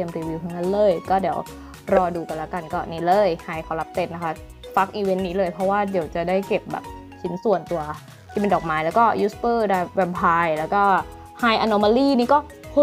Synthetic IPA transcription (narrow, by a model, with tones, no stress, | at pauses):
t̪i˧əmɾiː˧wiː˧wtʰa˧˥˩na˦˥nlɤː˧˩jkɔː˥˩di˨˩˦w | ɾɔː˧duː˧k̪a˧˩lɛ˦˥wka˧nkɔː˥˩niː˦˥lɤː˧˩jhaː˧jkʰa˧˥˩wla˦˥p̚t̪e˧nːa˦˥kʰa˦˥ | fa˦˥k̚ʔiː˧we˧˦˥nːiː˦˥lɤː˧jpʰɾɔ˦˥waː˥˩di˩˦wt͡ɕa˨˩daː˥˩jke˨˩p̚bɛ̰ː˨˩p̚ | t͡ɕʰi˦˥nsu˨˩ənt̪u˧ɐ | t̪ʰiː˥˩pe˧ndɔː˨˩k̚maː˦˥jlɛː˦˥wkɔː˥˩juː˦˥spɤː˥˩daː˧˩jwɛ˧mpʰaː˧jlɛː˦˥wkɔː˥˩ | haː˧jʔa˧no˧ma˧liː˥˩niː˥˩kɔː˥˩ | pʰu˧˥˩